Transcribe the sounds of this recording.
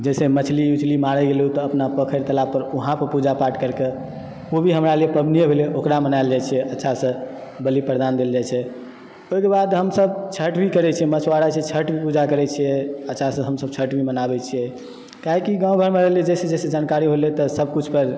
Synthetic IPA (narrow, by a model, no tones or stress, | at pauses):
d͡ʒɛsemət͡ʃʰliut͡ʃlimaɾɛɡelɦut̪ɔːəpnapəkʰəɾt̪əlapəɾuɦãpəɾpud͡ʒapaɾʈkəɾke | obʱiɦəmɾaliepəbnijebʱeleʔokɾamənaɪld͡ʒajt͡ʃʰijɛʔətːʃʰasə̃ | bəlipəɾd̪and̪eld͡ʒajt͡ʃʰɛ | oɦikebad̪ɦəmsəbt͡ʃʰəʈbʱikəɾɛt͡ʃʰijɛmət͡ʃʰwaɾat͡ʃʰɛt͡ʃʰəʈbʱipud͡ʒakəɾɛt͡ʃʰijɛətːʃʰasə̃ɦəmsəbt͡ʃʰəʈbimənabɛt͡ʃʰijɛ | kaɦikiɡãw̃ɡʱəɾmeɾəlied͡ʒɛsed͡ʒesed͡ʒankaɾiɦolet̪ɔsəb̚kut͡ʃʰpəɾ